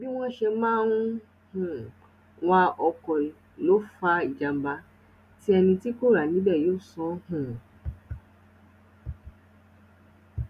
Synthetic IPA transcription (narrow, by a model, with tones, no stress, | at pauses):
bi˦w̃ɔ̃˦ʃɛ˧mãː˦nũ˦ | hũ˨ | w̃a˧ɔ˧kɔ˨ | lo˨˦fa˧i˨d͡ʒa˨m̩˨ba˨˧ | ti˦ɛ˧nĩ˧ti˦ko˦˨ɾa˨nĩ˨˦bɛ˦˨jo˨˦˨sɔ̃˨˦hũ˦˨